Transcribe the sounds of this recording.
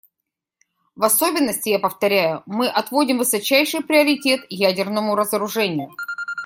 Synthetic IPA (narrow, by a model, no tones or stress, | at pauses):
vɐsobʲɪnːəsʲtʲɪjapəft̪ɐɾʲæjʊmɨʔɐt̪vo̞dʲɪmvɨsɐt͡ɕæjʂɨjpɾʲɪəɾʲɪtʲe̞t̪jædʲɪrnəmʊɾəzəɾʊʐɛnʲɪjʊ